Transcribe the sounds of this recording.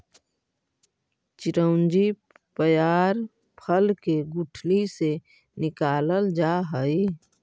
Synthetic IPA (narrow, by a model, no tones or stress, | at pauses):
t͡ʃɪɾəʊ̃nd͡ʒi | pəjaːɾ | pʰəlkeɡʊʈʰlise | nɪkaːləld͡ʒaːɦəi